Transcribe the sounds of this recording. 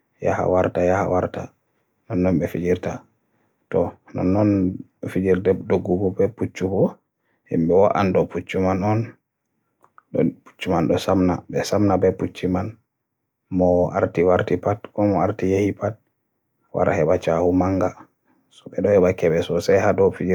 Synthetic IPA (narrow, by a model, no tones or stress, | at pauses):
ja̰ha̰waɾtajaha̰waɾta̰ | nɔnːɔnbɛfid͡ʒiɾta | tɔnɔ̰nːɔnfid͡ʒiɾdɛdoɡːuɡɔbɛput͡ʃːubɔ | hɛ̰mbɛwaʔa̰ndɔput͡ʃːumanɔn | ɗɔpu̥t͡ʃːumanɗɔsamnabɛsamnabɛput͡ʃːiman | mɔa̰ɾtiwaɾtipatkɔmɔaɾtijehipat̚ | wa̰ɾa̰hɛɓat͡ʃahumaŋɡa | sɔ̥ɓɛɗɔhɛɓakɛɓɛsɔsajhaɗɔfid͡ʒi